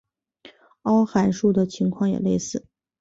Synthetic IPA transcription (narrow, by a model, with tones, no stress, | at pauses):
ɑ˥ʊxa˧˥nʂu˥˩d̪ə˩t͡ɕʰi˧˥ŋkʰwɑ˥˩ŋjɛ̰˨˩le˥˧ɪsɹ̩˥˩